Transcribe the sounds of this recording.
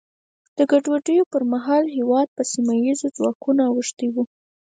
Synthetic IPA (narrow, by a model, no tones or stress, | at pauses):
d̪̥əɡaɖwaɖəjopəɾmaɦɑlɦewɑd̪̚pəsimajizod͡zwɑkunaawəʂt̪iwu